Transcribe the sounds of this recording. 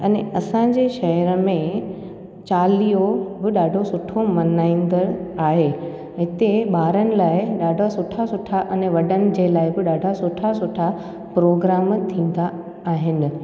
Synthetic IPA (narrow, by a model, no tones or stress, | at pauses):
ɛneɐsãd͡ʑeːʃɐɦəɾəmẽ | t͡ɕaːlijobɪɗaːɖʱosʊʈʰomɐnaːĩːnd̪əɽaːɦe | ɦɦɪt̪eɓaːɾənɪ̆laːɪɗaːɖʱasʊʈʰasʊʈʰaʔɛneʋɐɗənɪ̆d͡ʑelaːɪbɪɗaːɖʱasʊʈʰasʊʈʰa | pɾoːɡɾaːmt̪ʰĩːn̆d̪aː | ɦɪnɪ̆